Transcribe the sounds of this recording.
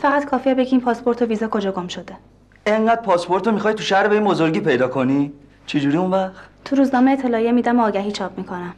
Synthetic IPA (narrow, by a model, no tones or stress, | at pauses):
fæɣæt̪kʰɒːfiæbeɟiiːmpʰɒspʰo̞ɾt̪ʰoviːzɒːkʰo̞d͡ʒɒːɡo̞mʃo̞d̪e̞ | e̞ŋɢæd̪̥̚pʰɒːspʰo̞ɾt̪ʰomixɒːjt̪ʰuʃæhɾebeinbo̞zo̞ɾɡiːpe̞jd̪ɒːkʰo̞ni | t͡ʃʰed͡ʒuɾiunvæχt̪t̪ʰuɾuːznɒːme̞et̪ʰːelɒːjemiːd̪æmoɒːɟæɦiːt͡ʃʰɒːp̚ʰmiːkʰo̞næm